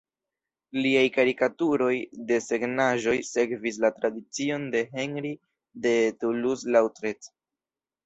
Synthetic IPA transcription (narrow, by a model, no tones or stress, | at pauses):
liajkaɾikatuɾo̞jde̞se̞ɡnaʒo̞jse̞kvis̬latɾadit͡sio̞nde̞ɦe̞nɾi | de̞tuluslawtɾet